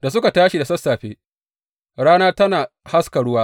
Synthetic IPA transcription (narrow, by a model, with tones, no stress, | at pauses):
da˨s̬ʊ˦ka˨taː˦ʃi˨da˨sɐ˦sːaː˨ɸeː˦ | ɽaː˦naː˦tɐ˦naː˨ | ha˦skɐ˨ɽʊ˦waː˦